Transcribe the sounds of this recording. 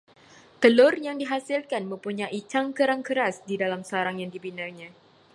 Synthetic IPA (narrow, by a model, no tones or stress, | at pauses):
t̪əlʊrjaŋdiɦasilkanmə̃mpuɲajit͡ʃaŋkəɾaŋkəɾasdidalamsəaɾaŋjaŋdibinarɲã